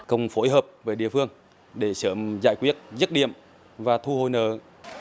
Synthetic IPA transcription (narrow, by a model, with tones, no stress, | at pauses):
kə˧wŋ͡mfo˧˦jɦəː˨˩p̚vəː˨˦jɗḭ˧˨əfɨ˧əŋ | ɗe˧˩səː˧˩mzaː˧˨jkwi˦˥ət̚zə˦˥t̚ɗḭ˧˨əm | vaː˨˩t̪ʰu˧ho̰˧˨jnəː˨